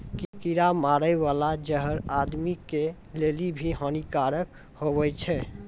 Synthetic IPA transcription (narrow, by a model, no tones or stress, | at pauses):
kikiɾamaɾəβalad͡ʒəɦəɾad̪mike | lelibʱiɦənikaɾək | hoβɛt͡ʃʰɛ